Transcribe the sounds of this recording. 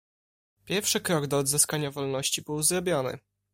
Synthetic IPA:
pʲjɛɾfʂɘkɾɔɡd̪ɔːd̪zɘskaɲavɔlnɔɕt͡ɕibɘwzɾɔbʲjɔnɘ̰

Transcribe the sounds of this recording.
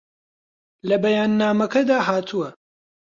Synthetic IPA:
lɐbɐjaːnːaːmɐkɐd̪aːɦaːt̪ʰuwɐ

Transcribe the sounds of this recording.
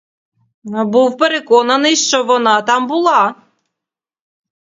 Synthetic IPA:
buwpeɾekɔnɐnɨjʃt͡ʃɔʋɔnɑt̪ɑmbulˠɑ

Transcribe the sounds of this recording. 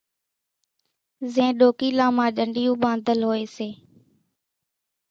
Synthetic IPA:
zẽːɗoːkiːlãːmãːɗəɳɖiːjũːɓãːnd̪ʱəlɦoːeːseː

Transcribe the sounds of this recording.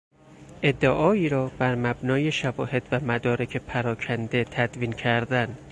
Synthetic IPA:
ʔe̞d̪ːeʔɒːiːɾɒːbæɾmæbnɒːje̞ʃævɒːhe̞d̪̥væmæd̪ɒːɾe̞cʰe̞pʰæɾɒːcʰænd̪e̞t̪ʰæd̪viːncʰæɾd̪æn

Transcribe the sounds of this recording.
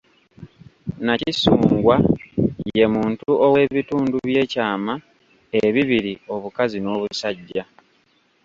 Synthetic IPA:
nacisuːŋɡwaje̞muːntuʔo̞we̞βituːnduβje̞ːcaːma | eβiβiɾio̞βukazino̞ːβusaɟːa

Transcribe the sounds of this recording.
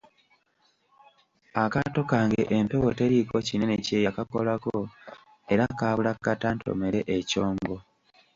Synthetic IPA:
akato̞kaːŋɡeʔempe̞wo̞teɾiko̞cine̞nece̞ːjakakolako | e̞ɾakaːβulakːatanto̞̰me̞ɾe̞ʔeco̞ːŋɡo̞

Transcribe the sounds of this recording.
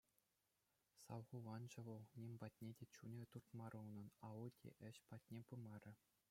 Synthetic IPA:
sɑʋʁuʋɑnd͡ʑɤ̆ʋɤ̆lˠnʲemʲbɑtʲnʲedʲet͡ɕunʲĕt̪urt̪mɑɾʔulnɤ̆nɑʋudʲḛʔɘ̆ɕpɑtʲnʲepɯmɑrʲɘ̆

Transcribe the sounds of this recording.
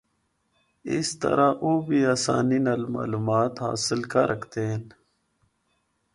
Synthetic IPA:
ist̪ɐ̰ɾaʔubiaːsa̰ːninalma̰ːlumaːt̪ha̰ːsɪlkaɾʔɐkʰt̪eːn

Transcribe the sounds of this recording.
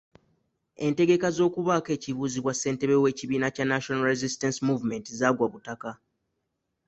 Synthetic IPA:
e̞nte̞ɡe̞kazo̞ːkuβake̞ːciβuːziβwase̞ːnte̞βewe̞ːciβiːnacanːaʃonalɾezistansimuvme̞ntizaːɡwaβutaka

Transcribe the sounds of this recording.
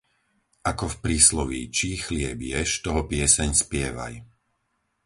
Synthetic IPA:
ʔakɔfpɾiːslɔʋḭt͡ʃixlɪɛbjɛʃt̪ɔɦɔpɪɛsɛɲspɪɛʋa̰j

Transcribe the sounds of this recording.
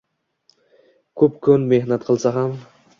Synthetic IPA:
kʰɵpkʰʊnme̞hnat̪̚qʰɨlˠsaɦam

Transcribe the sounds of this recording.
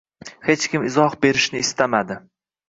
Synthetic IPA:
he̞t͡ʃkʲɪmɪzɒhbe̞ɾɪʃnɪːst̪amad̪ɪ

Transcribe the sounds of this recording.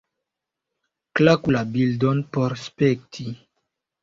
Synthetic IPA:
klakulabildonpoɾspek̚tʰi

